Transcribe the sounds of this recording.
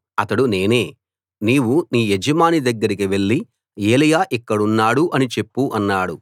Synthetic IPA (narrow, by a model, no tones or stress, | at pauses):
ɐt̪ɐɽune̞ːne̞ː | niːwuniːjed͡ʒɐmaːnid̪ɐɡːɐɾikiʋe̞ɭːi | eːlɐjaːʔikːɐɽunːaːɽuʔɐnit͡ʃe̞pːuʔɐnːaːɽu